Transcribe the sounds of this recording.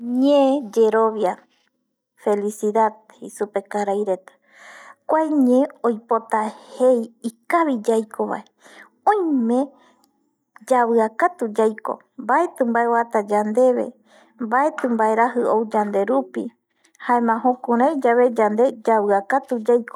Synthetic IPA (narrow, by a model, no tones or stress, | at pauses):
ɲẽd͡ʒe̞ɾo̞βja | fe̞lisiðað | isupe̞kaɾajɾe̞t̪ḁ | kʷajɲẽojpo̞t̪ahe̞jikaβid͡ʒajkʰo̞βa̰e | õj̃mẽ̞ | d͡ʒaβɨakat̪ud͡ʒajko̞̰ | mbae̞t̪ɨ̃mbaewat̪ad͡ʒand̪e̞βe̞̰ | mbae̞t̪ɨ̃mbaeɾaɦɨowd͡ʒand̪e̞ɾupḭ | haẽmãɦõkũɾ̃ãid͡ʒaβe̞d͡ʒand̪e̞d͡ʒaβɨakat̪ud͡ʒajko